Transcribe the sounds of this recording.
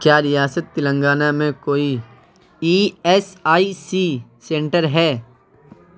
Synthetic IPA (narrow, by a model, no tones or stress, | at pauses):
kjaːɾijaːsət̪ːɪlə̃ŋɡaːnamẽkoːi | iːɛsaːisiːsẽːɳʈəɾɦɛː